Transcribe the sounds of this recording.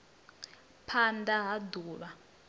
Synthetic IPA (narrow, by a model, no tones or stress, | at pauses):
pʰandaɦaduːɺa